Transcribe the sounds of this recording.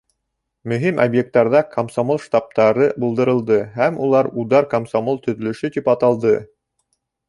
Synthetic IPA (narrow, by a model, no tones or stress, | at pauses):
mɵ̆ɦimʔobjek̚t̪ːɑɾðɑkʰomsomolˠʃt̪ɑp̚t̪ɑɾɤbŭlˠd̪ɤ̆ɾɤ̆lˠd̪ɤɦæmulˠɑɾud̪ɑɾkomsomolˠt̪ɵ̆ðɵ̆lɵ̆ʃɵt̪ipɑt̪ɑlˠd̪ɤ